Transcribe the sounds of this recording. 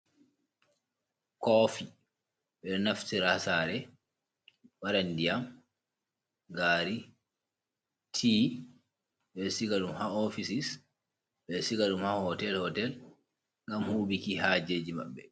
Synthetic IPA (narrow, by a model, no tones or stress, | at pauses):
kɔfi | ɓɛnaftiɾasaɾɛ | waɾandijam | ɡaːɾi | tʰi | ɓɛsikaɗumhaɔfisis | ɓɛsikaɗumhahɔtɛlhɔtɛl | ŋɡamhuːɓikihaːd͡ʒeːd͡ʒima̰ɓːɛ